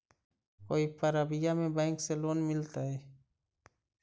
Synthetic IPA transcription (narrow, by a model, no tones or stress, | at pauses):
koːipəɾəbɪjamẽbɛ̃ːŋkseloːnmɪlt̪aɦɛː